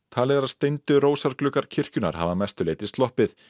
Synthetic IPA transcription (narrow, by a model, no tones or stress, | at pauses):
t̪ʰaːlɪðaɾaðst̪ejnt̪ʏɾoːwsaɾklʏːkaɾ̥cʰɪr̥cʏna̰ɾ̥ɦa̰vamɛst̪ʏleːjt̪ɪst̪lɔhpɪθ